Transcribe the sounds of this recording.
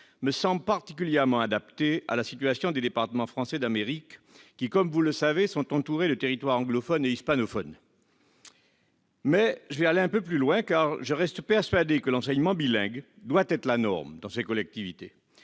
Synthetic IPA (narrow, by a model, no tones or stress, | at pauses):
məsɑ̃bləpaʁt̪i̥kʲyljɛʁmɑ̃ad̪apt̪ea̰lasit̪ɥasjɔ̃d̪ed̪epaʁt̪əmɑ̃fχɑ̃sɛd̪ameʁikː | ikɔmvuləsavesɔ̃t̪ɑ̃t̪uʁed̪ət̪eʁit̪waʁɑ̃ɡlɔfɔneispanɔfɔn | mɛʒəvɛaleɛ̃pøplylwɛ̃kaʁʒəʁɛst̪pɛʁsɥad̪ekəlɑ̃sɛɲmɑ̃bilɛ̃ɡd̪wat̪ɛt̪χlanɔ̰ʁmd̪ɑ̃sekɔlɛk̚t̪ivit̪e